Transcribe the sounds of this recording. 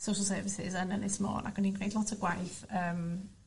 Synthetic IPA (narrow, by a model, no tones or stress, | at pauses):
sowʃəlˠsəːvɪsɪ̰zənənɪsmo̰ːna̰kwɛninrejdlɔtʰəɡwajθəːm